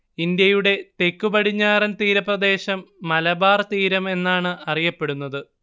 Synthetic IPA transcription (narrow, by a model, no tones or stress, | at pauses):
ind̪jɐjuɽe̞t̪e̞kːubɐɽiɲːaːɾɐnt̪iːɾɐprɐd̪e̞ːɕɐmːɐlɐbaːrt̪iːɾɐme̞nːaːɳɨɐrijɐpːe̞ɽunːɐðɨ